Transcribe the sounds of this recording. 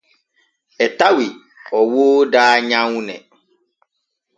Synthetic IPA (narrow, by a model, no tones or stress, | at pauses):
ɛtawi | ɔwoːdaːɲãŋũnɛ̰̃